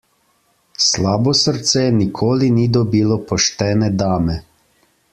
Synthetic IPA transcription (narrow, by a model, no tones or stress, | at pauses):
slaːbɔsəɾt̪sɛnikʰoːlinid̪ɔbiːlɔpɔʃt̪ɛːnɛd̪aːmɛ